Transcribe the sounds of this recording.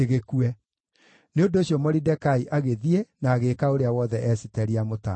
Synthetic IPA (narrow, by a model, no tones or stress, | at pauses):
eɣekuɛ | neondoːɕjɔmɔɾidɛkaiʔaɣeðienaːɣeːkaoɾeawɔðɛʔɛsitɛɾiamota̰